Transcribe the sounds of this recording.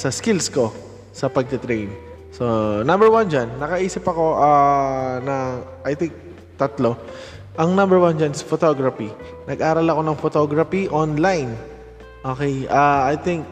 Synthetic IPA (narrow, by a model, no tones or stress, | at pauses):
sɐskilsko̞ | sɐpɐɡ̚t̪ɐt̪ɾejn | sonɐ̃mbɛɹwand͡ʒanːɐkɐʔiːsɪpɐko̞ʔanɐʔajt̪ɪŋk̚ | t̪ɐt̪lo̞ | ʔɐŋnɐ̃mbɛɹwand͡ʒanɪsɐfot̪oɡɾɐfi | nʔɐɡʔaːɾɐlɐko̞nɐŋfot̪oɡɾɐfiʔonlajn | ʔoːkɛjʔaajt̪ɪŋk̚